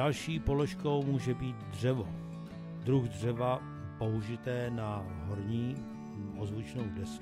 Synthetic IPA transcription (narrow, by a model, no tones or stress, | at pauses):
alʃiːpoloʃko̞wmuːʒɛbiːt̪dr̝ɛvo | d̪ɾuɣdr̝ɛva | po̞ɦuʒɪt̪ɛːna | ɦoɾɲiː | ʔozvut͡ʃnowdɛs